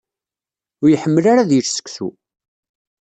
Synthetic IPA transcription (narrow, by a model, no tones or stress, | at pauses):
ʊjəħəmːəlaɾaðjət͡ʃsə̥kθṵ